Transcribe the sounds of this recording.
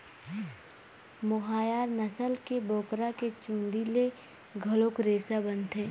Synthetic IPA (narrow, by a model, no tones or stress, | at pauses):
mʊɦaːjaːɾnəsəlkeboːkɾaket͡ʃũːnd̪ile | ɡʱɐloːkɾeːsabənt̪ẽː